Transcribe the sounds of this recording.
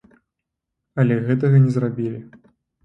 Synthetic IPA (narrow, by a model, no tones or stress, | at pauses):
ɐlʲɛɣɛt̪̬ɐɣɐnʲɛzrabʲilʲi